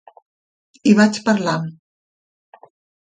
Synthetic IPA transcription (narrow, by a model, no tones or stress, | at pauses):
iβat͡ʃpəɾlam